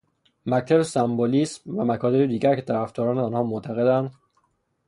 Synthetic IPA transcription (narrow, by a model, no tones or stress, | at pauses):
mæct̪ʰæbesæmboliːsmvæmækʰɒːt̪ʰebed̪iːɟæɾkʰe̞t̪ʰæɾæft̪ɒːɾɒːneːnhɒːmot̪ʰæɣe̞d̪ænd̪